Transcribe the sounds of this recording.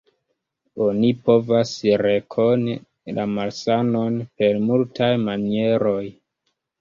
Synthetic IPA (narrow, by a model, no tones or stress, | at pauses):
o̞nipo̞vasɾe̞kʰo̞n | lamalsano̞npe̞ɾmultʰajmanie̞ɾo̞j